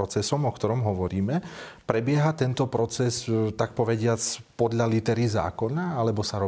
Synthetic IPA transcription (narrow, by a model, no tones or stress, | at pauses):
ɔt͡sɛsɔmɔkt̪ɔɾɔmɦɔʋɔɾiːmɛpɾɛbɪɛɦat̪ɛnt̪ɔpɾɔt͡sɛst̪ak̚pɔʋɛɟɪat͡spɔd̪ʎalit̪ɛɾiza̰ːkɔnaalɛbɔsaɾɔ